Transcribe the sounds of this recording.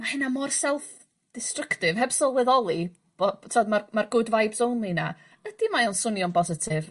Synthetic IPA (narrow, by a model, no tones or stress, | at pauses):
mahɛnamɔrsɛlˠf | d̥ɪstrəktɪvɦɛbsɔlˠwɛðɔlˠi | b̥ɔtʰɪɔdmarmarɡʊdvajbsownlˠina | əd̥imajɔnsʊnjɔnbɔsɪtʰɪv